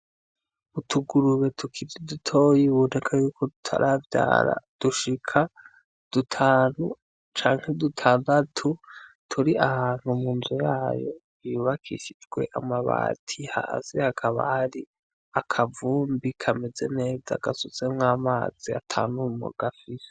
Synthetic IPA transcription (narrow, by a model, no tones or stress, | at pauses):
utʰuɡuɾuβe̞tʰukʰiɾidutʰo̞jiβunekʰajuːkʰo̞dutʰa̰ɾʔavja̰ːɾa̰d̥uʃikʰa | d̥utʰaːn̥u | t͡ʃaːŋ̥hedutʰaːndatʰu | tʰuɾiʔahaːn̥humuːnzujaːjo̞̰ | juːβakʰḭʃid͡ʒɡwe̞̰ʔa̰maβa̰ːtʰiha̰ːzihakʰaβa̰haɾi | akʰavuːmbikʰame̞d͡ze̞̰ne̞ːd͡za̰ɡasut͡semŋaːma̰ːz̥ia̰tʰaːnumṵɡafiɾe